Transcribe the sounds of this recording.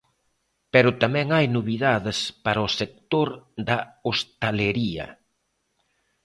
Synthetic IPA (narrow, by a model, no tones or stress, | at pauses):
pɛɾʊt̪amɛ̃ŋajnoβiðaðɪspaɾɐosek̚t̪oɾðɐost̪aleɾiɐ̰